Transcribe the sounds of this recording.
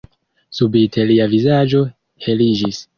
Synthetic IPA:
subitʰe̞liavizad͡ʒo̞ | he̞lid͡ʒis

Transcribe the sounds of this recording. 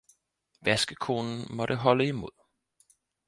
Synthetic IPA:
ʋæsɡ̥əkʰo̝ːnn̩mɒ̽ɾəɦɒ̽ləimo̝ð̰ˠ

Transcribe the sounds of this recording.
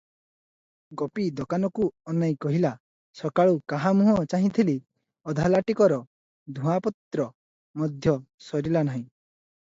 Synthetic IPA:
ɡɔpid̪ɔkanɔkuɔnaj̃kɔɦila | sɔkaɭukaɦamuɦɔt͡ʃaɦĩt̪ʰili | ɔd̪ʱalaʈikɔɾɔ | d̪ʱũapɔt̪ɾɔ | mɔd̪ʱjɔsɔɾilanaɦĩ

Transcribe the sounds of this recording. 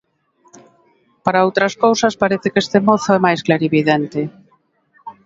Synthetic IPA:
paɾaowt̪ɾɐskowsɐspaɾeθɪkest̪emoθoɛmajsklaɾiβiðent̪ɪ

